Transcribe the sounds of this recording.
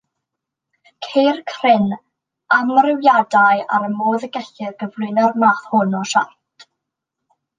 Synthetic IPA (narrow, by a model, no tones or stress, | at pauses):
kʰejrkʰrɪn | amrɪwjadaja̰ɾəmoːðəɡɛɬɪrɡəvlˠʊɨnarmaːθhʊnɔʃa̰rtʰ